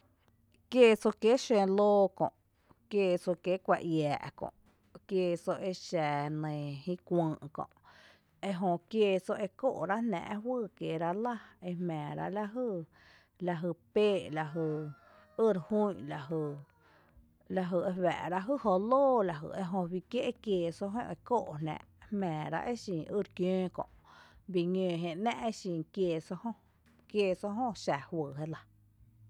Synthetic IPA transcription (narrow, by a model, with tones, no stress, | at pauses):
kjeː˦˧so˧ke˦ʃẽ˧loː˦kõ̰˧˨ʔ | kjeː˧˨so˧ke˦kʷa̰˧ʔjaː˨ʔkõ̰˧˨ʔ | kjeː˧so˧ʔe˧ʃaː˨nẽː˨hĩ˦kʷə̃ː˧ʔkõ̰˧ʔ | e˧ɦõ˧kje˧so˧ʔe˧ko̰˦ʔɾa˦nɛ̰̃˧˨ʔɦwɨː˧˨kje˨ɾa˦la˦e˧hmɛ̃ː˨ɾa̰˧la˦ɦə˦˧ | la˧ɦə˧peː˦ʔla˧ɦə˧˨ | ə˦ɾhu˦˨la˨ɦə˧˨ | la˧ɦə˧˨e˧wɛ̰˨ʔɾa˧ʔɦɨ˦˨ho˧loː˦˨la˨ɦə̰˨ʔe˧ɦõ˧wi˧kje˦ʔkjeː˧˨so˧ɦõ̰˦˧ʔe˧ko˦˨ʔnæ̰̃˧˨ | hmɛ̃ː˨ɾa̰˧ʔe˦ʃĩː˨ʔɨ˦ɾkjẽː˦kɔ̰̃˧˨ʔbi˧ɲẽː˧˨ɦẽ˧næ̃˦ʔe˦ʃĩ˨kjeː˧˨so˧hõ˦ | kjeː˧˨so˧ɦõ˦ʃa˨hwəː˨ɦe˦la˧